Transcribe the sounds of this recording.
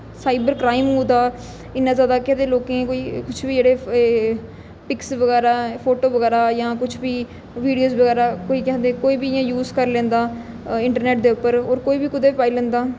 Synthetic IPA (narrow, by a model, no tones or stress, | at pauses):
saːɪbəɾkɾaːiːmɦõːd̪aː | ɪnãːzjaːd̪aːkɛ̃ːnd̪eːloːkẽːkoiːkʊt͡ʃʰbiːd͡ʒeːɽeː | pɪksʋəɡɛːɾaːpʰoːʈoːʋəɡɛːɾaːjãːkʊt͡ʃʰbiː | ʋiːɖijoːzbəɡɛːɾaːkoːiːkɛ̃nd̪eːkoːiːbiːɪjãːjuːzkəɾlẽːnd̪aː | ɪ̃ɳʈəɾnɛːʈ̚d̪eːʊpːəɾoːɾkoːiːbiːkʊd̪eːpaːiːlɛ̃ːnd̪aː